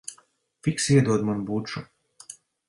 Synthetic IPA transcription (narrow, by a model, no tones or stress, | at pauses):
fʲiksiɛd̪uɔd̪manbuːt͡ʃu